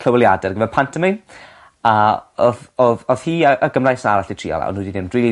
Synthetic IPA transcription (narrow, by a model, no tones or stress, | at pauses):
kʰl̥əwɪlˠjadɛrɡəvɛnpʰantʰɛmi | aɔðɔðɔð̥hiːəʔəɡəmrajsənaɾaɬitʰr̥ḭːɔ̰lˠa̰ɔ̰nuːdinɪmdril